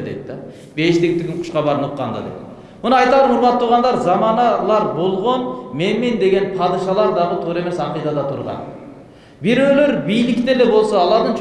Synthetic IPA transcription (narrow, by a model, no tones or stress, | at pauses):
d̪ejt̪d̪ɑ | beʃt̪eɡʲɪpt̪ʰːɪɡʲkʲɪnqʰʊ̥ʃqɑbɑɾnuqːɑ̰nd̪ɑ̰d̪ḛjt̪ | mʊnɨɑjt̪ɑd̪əmʊɾmɑt̪ʰːuɾʁɑnd̪ɑɾzɑmɑnɑlˠɑɾbo̞lˠʁonmenmend̪e̞ɡʲe̞npʰɑd̪ɨʃɑlˠɑɾd̪ɑʁət̪ʰoɾe̞mesɑqijd̪ɑd̪ɑt̪ʰuɾʁɑ̰n | biɾeløɾbijlɪkʲt̪ed̪ebo̞lˠsoːlˠɑɾd̪ɯnt͡ʃʰ